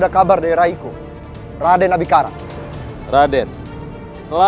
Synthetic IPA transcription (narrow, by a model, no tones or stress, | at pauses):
dakabardaiɾaiku | radɛnabikaɾa̰ | radɛn | kəla